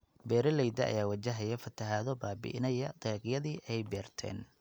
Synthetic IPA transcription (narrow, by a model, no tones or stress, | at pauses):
bɛːɾɐlɛjd̪ɐʔɐ̰jaːwɐt͡ʃɐɦɐjɐfɐt̪ʰɐɦaːðɔbaːbɪ̰ʔɪnɐjɐt̪ʰɛːqjɐðiːʔɛjbɛːrt̪ʰɛ̰ːn